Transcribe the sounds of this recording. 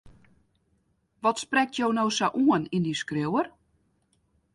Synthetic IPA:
ʋɔtsprɛk̚tʰjownowsaʔuənindiskrɪwər

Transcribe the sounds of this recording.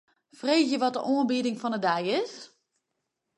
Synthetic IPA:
freːsjəʋɔt̚də̰ʔoːnbidɪŋfɔnədɛjɪs

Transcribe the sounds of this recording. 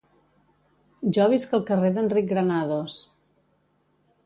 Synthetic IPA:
ʒɔβ̞iskəlˠkəreðəndrik̚ɣɾənaðos

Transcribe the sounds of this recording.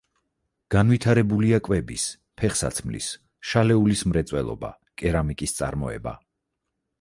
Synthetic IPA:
ɡ̥anvit̪ʰaɾɛbuliakʼwɛbis | pʰɛχsa̰t̪sʰmlḭs | ʃalɛulismɾɛt̪sʼwɛlˠɔ̰ba̰ | kʼɛɾamikʼist̪sʼa̰ɾmɔ̰ɛ̰ba̰

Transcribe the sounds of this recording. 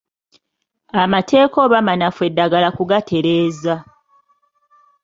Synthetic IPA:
amatʰe̞ːkoːβamanafwe̞dːaɡalakuɡatʰe̞ɾe̞ːza

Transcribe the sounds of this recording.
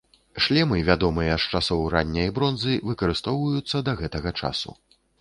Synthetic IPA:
ʂlʲɛmɨvʲad̪ɔmɨjɐʂt͡ʂasɔwɾanʲːɐjɐbɾɔnzɨvɨkɐɾɨst̪ɔwvɐjut̪sːɐd̪ɐɣɛt̪ɐɣɐt͡ʂa̰sṵ

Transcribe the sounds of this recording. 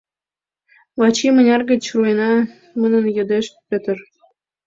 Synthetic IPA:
vɑt͡ɕimə̆nʲɑrɡə̆t͡ɕruenɑ | mənənjɤd̪eʃpʲet̪ə̆r

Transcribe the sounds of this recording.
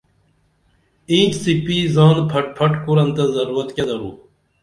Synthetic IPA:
ĩːt͡ʃsipiːzãːnpʰɐʈ̚pʰɐʈkuɾɐnt̪ɐzɐɾuːɾɐt̪ked̪ɐɾuː

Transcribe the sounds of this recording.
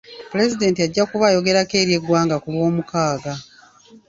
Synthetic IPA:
pule̞zide̞ːntiaɟːakuβajo̞ɡe̞ɾake̞ːɾje̞ɡwaːŋɡakulwo̞ːmukaːɡa

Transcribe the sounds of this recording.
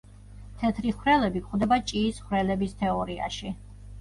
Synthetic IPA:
t̪ʰɛt̪ʰɾiχwɾɛlɛbikχwd̪ɛbat͡ʃʼiːsχwɾɛlɛbist̪ʰɛɔɾia̰ʃi

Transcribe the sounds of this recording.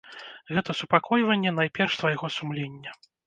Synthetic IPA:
ɣɛt̪ɐsupakʰɔjvɐnʲːɛnajpʲɛrʂt̪vajɣɔsumlʲenʲːɐ

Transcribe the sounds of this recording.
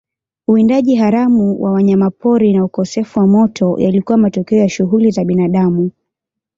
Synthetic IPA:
uindaʄiɦaɾamuwʔawaɲamapɔɾinaukɔsɛfuwamɔtʰɔjalikuwamatɔkɛɔjaʃuɦulizaɓinaɗamu

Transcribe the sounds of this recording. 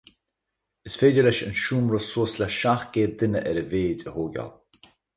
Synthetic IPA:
əsfeːdəlɛʃə̰nʃuːmɾɔsuːslaʃaxɡ̥eːd̪ɪnəʔɛɾəveːdəhoːɡa̰l

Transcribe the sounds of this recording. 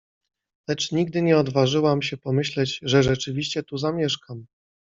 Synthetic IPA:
lɛt͡ʂɲiɡ̚d̪ɘɲɛɔd̪vaʐɘwamɕɛpɔmɘɕlɛd͡ʑʐɛʐɛt͡ʂɘvʲiɕt͡ɕɛt̪uzamʲjɛʂkam

